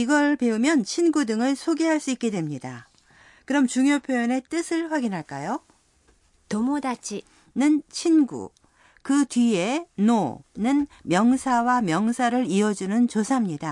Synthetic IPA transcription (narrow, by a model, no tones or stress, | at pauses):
iɡʌɭpe̞umjʌnt͡ɕʰinɡudɯŋɯɭsʰoɡeɦaɭs͈uik͈e̞dwe̞mɲida | kɯɾʌmt͡ɕuŋjopʰjojʌne̞t͈ɯsʰɯɭɸwaɡinɦaɭk͈ajo | tʌmodat͡ɕ͈i | nɯnt͡ɕʰinɡṵ | kɯtɥie̞nonɯnmjʌŋsʰawamjʌŋsʰaɾɯɾiʌd͡ʑunɯnt͡ɕosʰamɲida